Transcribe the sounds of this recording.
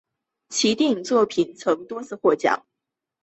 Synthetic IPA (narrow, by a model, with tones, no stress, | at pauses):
t͡ɕʰi˧˥t̪i˥˧ŋt͡swɔ˥˩pʰi˨˩nt͡sʰɤ˧˥ŋt̪wɔ˥t͡sʰɹ̩˥˧xwɔ˥˩t͡ɕjɑ̰˨˩˦ŋ